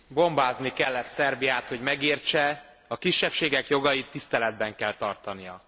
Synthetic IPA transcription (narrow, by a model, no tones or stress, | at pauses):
bo̞mbaːznikɛlːɛt̪sɛrbijaːt̪ho̞ɟmɛɡiːrt͡ʃɛ | ɒkiʃːɛpʃeːɡɛkjo̞ɡɒjit̪ːist̪ɛlɛd̪bɛŋkɛlt̪ɒrt̪ɒnijɒ